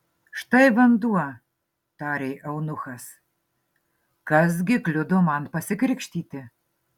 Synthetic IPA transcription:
ʃt̪ɐɪʋɐnd̪uɔ | t̪ɑːɾʲeːʔɐʊnʊxɐs | kɐs̬ɡʲɪklʲʊd̪omɐnpɐsʲɪkɾʲɪkʃʲt̪ʲiːt̪ʲɪ

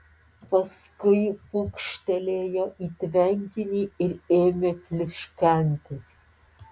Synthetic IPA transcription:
pɐskʊjpukʃt̪ʲɛlʲeːjɛʔit̪vʲæŋʲɡʲɪnʲiɪɾeːmʲeflʲɪʃkʲænʲt̪ʰɪs

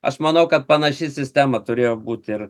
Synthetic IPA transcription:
ɐ̰ʃmɐnɐʊkɐt̪̚pɐnɐʃʲɪsʲɪsʲt̪ʲæmɐt̪ʊɾʲeːjoːbuːt̪ʲɪɾ

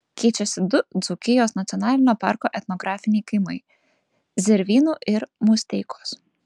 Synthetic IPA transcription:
kʲiːt͡ʃʲɛsʲɪd̪ʊd̪zʊkʲɪjoːsnɐt̪ʲɔnɑːlʲɪnʲoːpɑ̰ɾkoːʔɛt̪nɔɡɾɑːfʲɪnʲɛjkɐɪmɐj | zʲɪɾʲʋʲiːnuːʔɪɾmusʲt̪ʲɛjkoːs

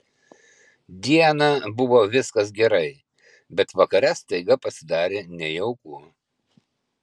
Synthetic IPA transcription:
d̪ʲiɛnɐbʊʋoːʋʲɪskɐs̬ɡʲɛɾɐɪ | bʲɛt̪ʋɐkɐɾʲɛst̪ɐɪɡɐpɐsʲɪd̪ɑːɾʲeːnʲɛjɛʊkuː

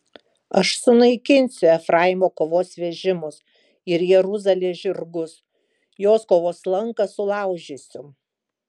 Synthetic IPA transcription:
ɐʃsʊnɐɪkʲɪnʲsʲʊɛfɾɑˑjmoːkoːʋoːsʋʲɛʒʲɪmʊs | ɪɾjɛɾʊzɐlʲeːʒʲɪɾɡʊs | joːskoːʋoːslˠɐŋkɐsʊlˠɑˑʊʒʲɪsʲʊ

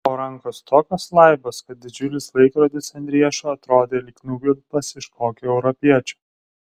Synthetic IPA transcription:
oːɾɐŋkost̪ʰoːkʲɔslˠɐɪbɐskɐt̪̚d̪ʲɪd͡ʒʲʊlʲɪslˠɐɪkɾoːd̪ʲɪsɐnʲd̪ʲɾʲiɛʃuːɐt̪ɾoːd̪ʲeːlʲɪkʲnʲuːɡʲɪɾpɐsɪʃkoːkʲʊɛʊɾɔpʲiɛt͡ʃʲu̥ː

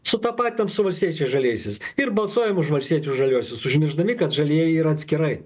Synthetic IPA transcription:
sʊt̪ɑːpɑːt̪ʲːɛmsʊʋɐlʲsʲt̪ʲiɛt͡ʃʲɛɪʒɐlʲiɛjsʲɪsɪɾbɐlˠsuɔjɛmʊʃʋɐlʲsʲt̪ʲiɛt͡ʃʲuʒɐlʲuɔsʲʊsʊʒʲmʲɪɾʒd̪ɐmʲɪkɐt̪ʒɐlʲiɛjɛiɾɐt̪ʲsʲkʲɪɾɐɪ

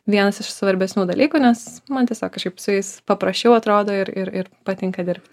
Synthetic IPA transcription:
ʋʲiɛnɐsɪʃsʋɐɾʲbʲɛsʲnʲuːd̪ɐlʲiːkuːnʲɛsmɐnt̪ʲiɛsʲoːkʃkɪpsʊjɛɪspɐpɾɐsʲt͡ʃʲɛʊɐt̪ɾoːd̪oːɪɾɪɾɪɾpɐt̪ʲɪŋkɐd̪ʲɪɾʲp̚ʲt̪ʲ

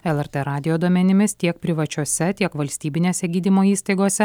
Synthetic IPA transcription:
ɛlˠɛɾt̪ɛɾɑːd̪ʲɪjoːd̪uɔmʲɛnʲɪmʲɪst̪ʲiɛk̚pʲɾʲɪʋɐt͡ʃʲuɔsʲɛt̪ʲiɛkʋɐlʲsʲt̪ʲiːbʲɪnʲeːsʲɛɡʲiːd̪ʲimoːiːst̪ɐɪɡoːsʲɛ

